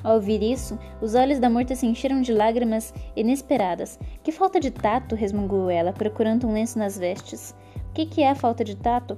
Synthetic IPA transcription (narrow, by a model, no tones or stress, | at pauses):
awviɾisʊ | ʊzɔʎʊzd̪ɐmɔɾt̪ɐsɪẽʃeɾɐ̃w̃d͡ʒɪlaɡɾimɐzinespeɾad̪ɐskɪfawt̪ɐd͡ʒɪt̪at̪ʊɦezmũŋɡuowɛlɐpɾokuɾɐ̃nd̪ʊũlẽsɪnɐzvɛst͡ʃɪs | ʊkɪkɪɛɐfawt̪ɐd͡ʒɪt̪at̪ʊ